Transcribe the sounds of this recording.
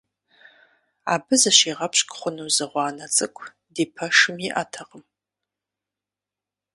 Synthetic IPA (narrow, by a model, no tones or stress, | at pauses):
a̰ːbɨzɐʃeːʁɐpɕʼkʼχʷʊnuzɨʁʷɑːnɐt͡sʼɨkʷʰ | diːpʰɐʂɨmiʔatʰɐqʼəm